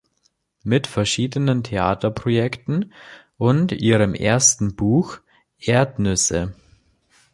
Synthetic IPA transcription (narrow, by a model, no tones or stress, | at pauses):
mɪtfɛɐʃiːdənəntʰeaːtɐpʁ̥ojɛktn̩ | ʔʊntʔiːʁəmʔḛːɐstn̩buːx | ʔeːɐtnʏsə